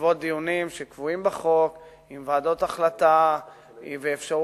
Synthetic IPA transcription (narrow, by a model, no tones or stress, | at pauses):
vo̞t̪̚d̪ijunimʃekvuimbaχo̞k | imvaːdo̞t̪aχlat̪a | veːfʃa